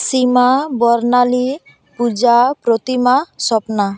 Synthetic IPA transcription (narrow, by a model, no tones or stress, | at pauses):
simabɔɾnali | pud͡ʒapɾot̪imasɔpna